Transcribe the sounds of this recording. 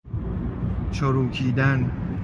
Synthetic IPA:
t͡ʃʰoɾuːkʰiːd̪æn

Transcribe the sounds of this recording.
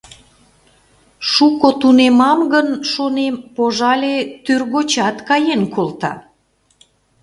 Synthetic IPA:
ʃukot̪unemɑmɡənʃonempoʒɑlʲet̪yrɣot͡ɕɑt̪kɑjenkolt̪ɑ̰

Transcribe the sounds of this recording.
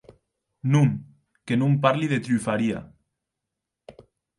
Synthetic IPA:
nuŋ | kenũmpaɾliðet̪ɾyfaɾia̰

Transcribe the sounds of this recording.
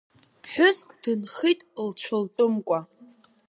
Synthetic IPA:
pʰħʷʊzkʷʼd̥ɨnχitʼlt͡ɕʷʰoltʼʊmkʷʼa

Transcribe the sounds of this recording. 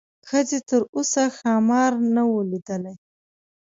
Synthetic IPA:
xəzet̪əɾosaxɑmɑɾnawulid̪əlaj

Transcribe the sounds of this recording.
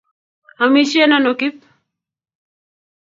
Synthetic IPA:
amiʃienanokip̚

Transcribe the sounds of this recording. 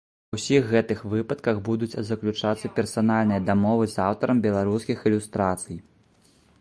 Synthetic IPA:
wsʲixːɛt̪ɨxvɨpɐt̪kɐxbud̪ut͡sʲɐzɐklʲut͡ʂat̪sːɐpʲɛrsanalʲnɨjɐd̪amɔvɨzawt̪ɐɾɐmbʲɛlˠaɾuskʲixilʲust̪ɾat̪sɨj

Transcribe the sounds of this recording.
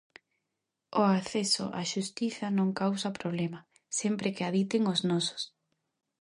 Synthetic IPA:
ʊaθɛsʊ̰ʔa̰ʃust̪iθɐnõŋkawsɐpɾoβ̞lɛma | sɛmpɾɪkɪaðit̪ɪŋoznɔsʊ̥s

